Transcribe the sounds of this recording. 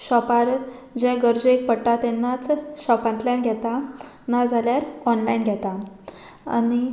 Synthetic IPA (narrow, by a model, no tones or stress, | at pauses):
ɕɔpaɾ | d͡ʑɛ̃ɡəɾd͡ʑek̚pəɽʈat̪ɛnːat͡sɕɔpãnt̪ljãnɡʱjɛt̪a | nad͡zʱaljaɾɔnlainɡʱjɛt̪a | a̰ni